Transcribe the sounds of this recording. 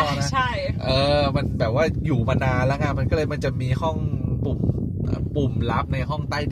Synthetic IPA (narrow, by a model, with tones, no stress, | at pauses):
ɔ˥˩na˦˥a˦˥˩jʔɤː˧ma˧nbɛː˨˩p̚waː˥˩juː˨˩maː˧naː˧nlɛ˦˥ŋa˦˥ma˧nkɔ˥˩ɤː˧jma˧nt͡ɕa˨˩miː˧hɔ˥˩ŋpu˨˩mʔə̰ː˧˩pu˨˩mla˦˥p̚na˧jɦɔ˥˩ŋt̪a˥˩j